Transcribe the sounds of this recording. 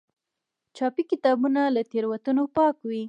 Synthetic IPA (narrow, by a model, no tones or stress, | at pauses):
t͡ʃɑpikɪt̪ɑbunalat̪eɾwat̪unopɑkwi